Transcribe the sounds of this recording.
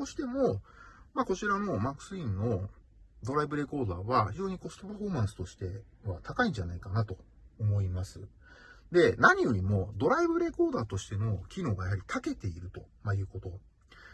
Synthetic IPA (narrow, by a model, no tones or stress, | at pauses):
koɕi̥t̪e̞mo̞mako̞t͡ɕiɾano̞makːɯ̟̥sɨĩnːo̞ | d̪o̞ɾaibɯ̟ɾe̞ko̞ːd̪aːβaçiʑo̞ːɲ̟iko̞st̪o̞paɸo̞ːmãɰ̃sɨ̥t̪o̞ɕi̥t̪e̞ | βat̪akaĩɲ̟d͡ʑanaikanat̪o̞ː | mo̞imasɨ | d̪e̞naɲ̟ijo̞ɾʲimo̞d̪o̞ɾaibɯ̟ɾe̞ko̞ːd̪aːt̪o̞ɕi̥t̪e̞no̞kʲino̞ːɡajaɦaɾʲit̪ʰake̞t̪e̞iɾɯ̟t̪o̞majɯ̟ːko̞t̪o̞